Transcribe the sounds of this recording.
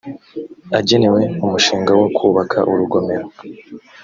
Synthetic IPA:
aɟe̞ne̞we̞umuʃiːŋɡawo̞kʰuːβakʰaʔuɾuɡo̞me̞ɾo

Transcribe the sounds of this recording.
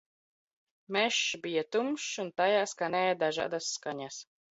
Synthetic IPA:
mɛʃːbijat̪umʃunt̪ajaːskanɛːjad̪aʒa̰ːd̪asːkaɲas

